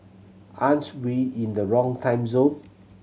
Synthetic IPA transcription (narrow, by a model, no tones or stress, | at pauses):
ʔãnswiĩndəɹɔ̃ŋtʰãj̃mzõn